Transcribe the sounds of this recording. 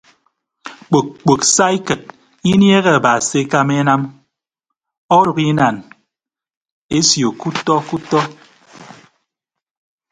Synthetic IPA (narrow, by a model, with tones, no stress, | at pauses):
k͡po˨k̚k͡po˨ksa˦i˦kɨ˨t̚ | i˦nje˦ɣe˦a˨ba˨se˨˦ka˦me˦na˦m | ɔ˦ɾu˨ki˦na˨n | e˦sjo˨ku˦tɔ˦ku˦tɔ˦